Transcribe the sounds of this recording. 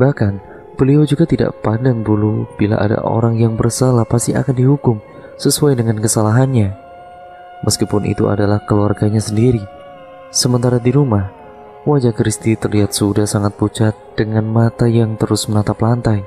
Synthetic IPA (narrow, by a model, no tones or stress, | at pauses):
bahkan | b̥əliod͡ʒuɡat̪ida̰ʔpandaŋbulub̥ila̰ʔa̰da̰ʔo̰ɾaŋjaŋbərsalahpast̪ia̰kandiɦukʊm | səsuajdəŋankəsalaɦanɲa | məskipʊnʔḭt̪ua̰dalahkəluarɡaɲasəndiɾi | səmənt̪aɾadiɾumah | wad͡ʒakɾist̪it̪ərliɦat̪̚sudahsaŋat̪̚put͡ʃat̪̚d̥əŋanmat̪ajaŋt̪əɾʊsmənat̪aplant̪aj